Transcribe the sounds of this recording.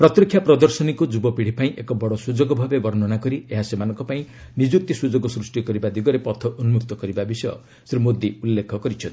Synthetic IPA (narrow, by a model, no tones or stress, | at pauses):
pɾɔt̪jɔkʰːjapɾɔd̪ɔɾsɔnikud͡ʒubɔpiɽ̤ipaĩʔekɔbɔɽɔsud͡ʒoɡɔbʱabebɔɾnɔnakɔɾieɦasemanɔŋkɔpaĩ | nid͡ʒuk̚t̪isud͡ʒoɡɔsɾusʈikɔɾibad̪iɡɔɾepɔt̪ʰɔʔunumuk̚t̪ɔkɔɾibabisɔjɔ̰ | sɾimod̪iulːekʰːɔkɔɾit͡ʃʰʌni